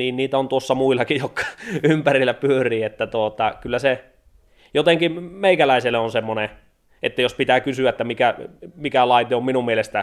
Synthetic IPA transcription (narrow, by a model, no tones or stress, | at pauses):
niːnniːt̪æont̪uosːɑmuilːˑɑkijjokːɑ̥ympærilːæpyørˑiːet̪ːæt̪uot̪ɑkylːæse | jot̪eŋkimeikælæˑiselːˑeonsemːone | ʔḛt̪ːæjospit̪æːkysyæet̪ːæmikæmikælɑit̪eomminummielest̪æ